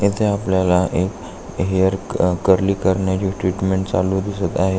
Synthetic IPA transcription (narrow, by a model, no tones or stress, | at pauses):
et̪ʰeapljalaʔek | ɦijəɾkəɾliːkəɾɳjat͡ɕiːʈɾiʈmeɳʈt͡salud̪isət̪aɦe